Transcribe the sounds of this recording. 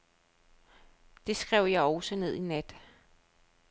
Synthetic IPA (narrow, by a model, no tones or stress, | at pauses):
d̥e̝sɡ̥ʁɛʊ̰jɑ̈ɪɒʊsəne̝ð̞̰ˠinæd̥